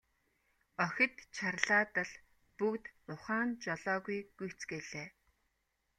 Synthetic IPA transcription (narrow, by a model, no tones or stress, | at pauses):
ɔxʲɪ̆t̪t͡ɕʰarɮaːt̪ə̆ɮ | pukt̪mʊχaːnt͡ɕɔɮɔːɣujɡ̥ujʰt͡sɡeɮeː